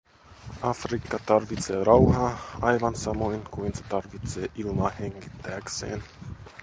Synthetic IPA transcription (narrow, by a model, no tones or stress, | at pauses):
ɑfrikːɑt̪ɑrʋit̪seːrɑwhɑːɑjʋɑnsɑmojnkujnset̪ɑrʋit̪seːʔilmɑheŋɡit̪ːææksḛːn